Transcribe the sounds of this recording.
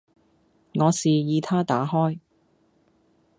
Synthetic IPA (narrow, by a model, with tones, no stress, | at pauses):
ŋɔː˨˧siː˨jiː˨˧t̪ʰaː˥t̪aː˨˥ɦɔː˥j